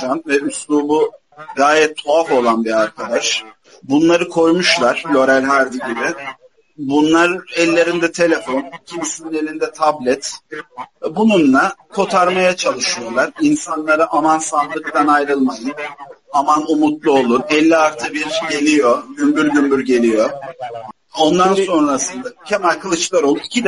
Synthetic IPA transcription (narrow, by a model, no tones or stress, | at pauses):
anvɛyslˠuːbu | ɡaːjɛt̪ʰːoafo̞lˠanbiɾaɾkʰad̪aʃ | bunlˠaɾɯkʰo̞jmuʃlˠaɾ̥lʲo̞ɾælʲɦæɾd̪iɟibɪ | bunlˠaɾɛlʲːe̞ɾind̪ɛt̪ʰe̞lʲe̞fo̞nicʰimisinine̞lʲind̪ɛt̪ʰablʲɛt̪ | bununlˠakʰo̞t̪ʰaɾmajat͡ʃʰalˠɯʃɯjoɾlˠaɾinsanlˠaɾaʔamansand̪ˠɯkt̪anajɾɯlˠmajɯnamanumut̪lˠuo̞lˠunɛlʲːiaɾt̪ʰɯbiɾɟe̞lʲijo̞ɟymbyɾɟymbyɾɟe̞lʲijo̞ | o̞nd̪anso̞nɾasɯnd̪acʰemælʲkʰɯlˠɯt͡ʃlˠaɾo̞lˠunicʰid̪ɛ